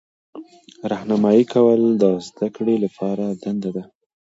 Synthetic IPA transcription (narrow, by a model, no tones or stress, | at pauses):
ɾahnamɑjikawəld̪əzd̪akɽelapɑɾad̪and̪ad̪a